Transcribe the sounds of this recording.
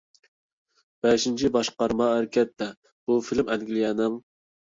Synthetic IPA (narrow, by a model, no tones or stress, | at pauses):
b̥ɛʃint͡ʃʰibɑʃqɑɾmɑæɾɪkʲʰɛt̪ʰːɛ | b̥ufilmɛd̪ɡʲilijɛnɨŋ